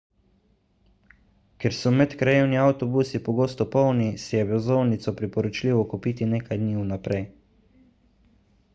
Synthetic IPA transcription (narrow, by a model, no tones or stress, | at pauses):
kɛɾsɔmɛt̪kɾajewniawt̪ɔbusipɔɡoːst̪ɔpɔwnisɛjɛbɛzɔwnit̪sɔpɾipɔɾɔt͡ʃliːʋɔkupit̪ineːkajd̪niunapɾɛj